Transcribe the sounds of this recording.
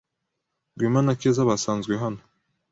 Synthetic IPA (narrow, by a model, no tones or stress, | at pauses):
ɡwimanakezaβasanzɡweɦano